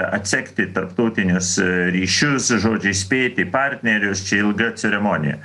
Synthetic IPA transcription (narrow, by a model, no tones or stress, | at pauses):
ɐt̪ʲsʲɛkt̪ʲɪt̪ɐɾpt̪ɔʊt̪ʲɪnʲʊsɾʲiːʃʲʊsʒoːd͡ʒʲɛɪsʲpʲeːt̪ʲɪpɑɾʲt̪ʲnʲɛɾʲʊst͡ʃʲɛɪlˠɡɐt͡sʲɛɾʲɛmoːnʲɪ̰jɛ̰